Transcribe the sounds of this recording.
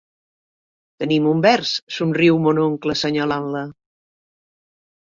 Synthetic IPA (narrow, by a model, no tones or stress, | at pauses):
t̪ənimumbɛɾsːunriwmonoŋkləsəɲalanlə